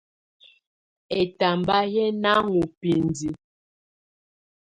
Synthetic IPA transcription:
ɛ˨ta˨mba˦jɛ˦na˦ŋu˨pi˨ndi˨

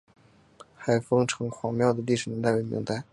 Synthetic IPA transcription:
xa˨˧˩ɪfɤ˥ŋʈ͡ʂʰɤ˧˥ŋxwɑ˧˥ŋmjɑ˥˩ʊd̪ə˩li˥˩ʂɻ̩˨˩nɛ˧˥nt̪a˥˧ɪwe˧˥mḭ˧˥ŋt̪a˥˧ɪ

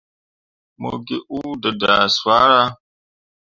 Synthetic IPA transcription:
mo̰˨ɡe˦ʔu˦də˨da˨sa˦ɾa˦

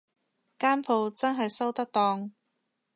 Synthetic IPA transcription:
kaː˥npʰo˨˧wt͡sɐ˥nɦɐ˨jsɐ˥wt̪ɐ˥k̚t̪ɔː˧ŋ

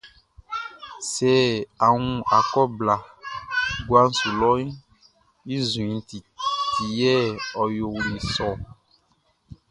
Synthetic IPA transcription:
sɛ˨a˨ŋũ˨a˨kɔ˦bla˨ | ɡwa˦n̩˦su˨lɔ˦i˦ | i˦zũ˨ĩ˨˦t̪i˨t̪i˨jɛ˦ɔ˨jo˨wu˨nĩ˨sɔ˦˨

